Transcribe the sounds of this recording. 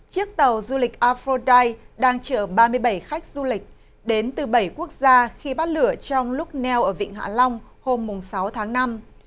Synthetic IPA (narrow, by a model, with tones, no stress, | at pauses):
t͡ɕɨ˦˥ək̚t̪ə˨˩wzu˧li˨˩k̟̚ʔaː˧fɾo˧ɗa˧jɗaː˧ŋt͡ɕəː˧˩ɓaː˧mɨ˧əjɓə˧˩jxa˦˥jk̟̚z̥u˧lï˨˩k̟̚ | ɗe˨˦nt̪ɨ˨˩ɓə˧˩jku˦˥ək̚zaː˧xi˧ɓaː˦˥t̚lɨ˧˩ət͡ɕɔ˧wŋ͡mlʊ˦˥k͡p̚nɛ˧wʔəː˧˩vḭ˧˨ŋɦa̰ː˧˥lɔ˧wŋ͡m | ho˧mːʊ˨˩ŋ͡msa˨˦wt̪ʰaː˨˦ŋna˧m